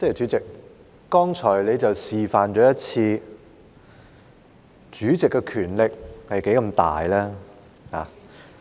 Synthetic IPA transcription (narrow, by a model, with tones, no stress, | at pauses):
t͡sɛ˥˨t͡ʃyː˨˥t͡sɪ˨k̚ː | ɔː˥ŋt͡ʃʰɔː˨˩jle˨˧jt͡sɐ˨wsiː˨faː˨nt͡ʃɔː˨˥jɐ˥t̚t͡sʰiː˧ | t͡ʃyː˨˥t͡sɪ˨kːɛ˧kʰyː˨˩nlɪ˨k̚hɐ˨jke˨˥jkɐ˧mt̪a̰ː˨jlɛː˥ | ha̰ː˨˦